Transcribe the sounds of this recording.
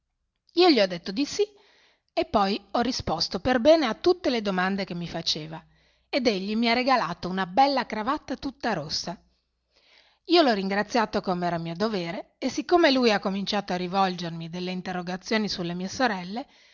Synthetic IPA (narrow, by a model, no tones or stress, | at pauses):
iːoʎiɔd̪ːet̪ːod̪isi | epːɔjɔrːispost̪operbɛːneat̪ːut̪ːeled̪omand̪ek̟emːifat͡ʃeːva | ed̪eʎːimiareɡalaːt̪ounabɛlːakɾavat̪ːat̪ut̪ːaɾosːa | iːolɔriŋɡɾat̪sːjaːt̪okomeɛːɾamiːod̪oveːɾeesikːomelujakːomint͡ʃaːt̪oarːivɔld͡ʒermid̪elːeint̪erːoɡat̪sːjoːnisulːemiːesoɾɛlːe